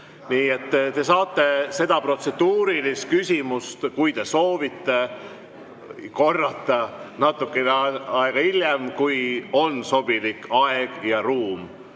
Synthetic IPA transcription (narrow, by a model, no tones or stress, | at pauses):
niːe̞t̪ːt̪e̞sɑːt̪ːe̞se̞d̪̥ɑpro̞t̪se̞d̪̥uːɾilist̪̚kysʲimust̪kujt̪e̞so̞ːvit̪ːe̞ | ko̞rːɑt̪ːˑɑnɑt̪ːˑukːˑeneɑeɡ̥ɑiljemkujo̞nso̞b̥ilikɑeɡ̥jɑɾuːm